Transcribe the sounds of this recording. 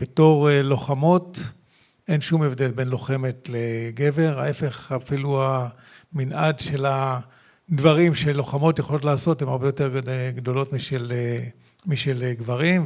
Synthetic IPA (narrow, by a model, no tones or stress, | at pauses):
b̥eto̞ʁeloχamo̞t | ʔenʃumevd̪e̞lbe̞nlo̞χe̞metle̞ɡe̞ve̞ʁae̞fe̞χafilua | minʔadʃe̞la | d̪vaʁimʃelːo̞χamo̞tjeχolo̞t̬laːso̞temaʁbejo̞te̞ʁɡdo̞lo̞tmiʃele | miʃelɡvaʁim